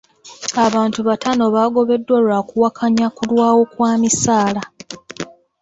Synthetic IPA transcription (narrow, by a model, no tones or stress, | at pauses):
aβaːntuβatano̞βaɡo̞βe̞dːwalwakuwakʰaɲakulwaːwo̞kwaːmisaːla